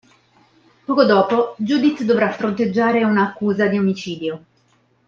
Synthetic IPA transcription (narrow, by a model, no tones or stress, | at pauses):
pɔːkod̪ɔːpod͡ʒuːd̪it̪ːd̪ovɾafɾont̪ed͡ʒːaːɾeunaːkːuːzad̪iomit͡ʃiːd̪jo